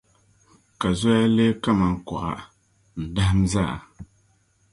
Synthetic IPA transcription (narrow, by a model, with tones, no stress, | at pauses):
ka˨zɔ˦ja˦leː˦ka˦ma˨ŋ̩˨kɔ̰˨ʔa̰˨ | n̩˨da˦hɨ˦m˦za̰˦˨